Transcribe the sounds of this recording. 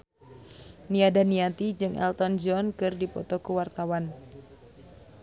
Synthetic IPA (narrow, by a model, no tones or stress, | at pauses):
niadaniat̪id͡ʒɨŋʔɛ̰lt̪ɔnd͡ʒɔnkɨrdipɔt̪ɔkuwart̪awan